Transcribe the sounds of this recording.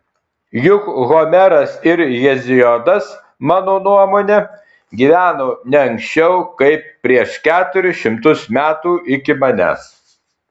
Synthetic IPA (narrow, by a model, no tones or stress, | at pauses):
jʊkɣomʲɛɾɐsɪɾjɛzʲɪjɔd̪ɐs | mɑːnoːnuɔmoːnʲɛ | ɡʲiːʋʲæːnoːnʲɛɐŋʲksʲt͡ʃʲɛʊkɐɪpːʲɾʲiɛʃkʲæːt̪ʊɾʲʊʃʲɪmt̪ʊsmʲæːt̪uːʔɪkʲɪmɐnʲæ̰s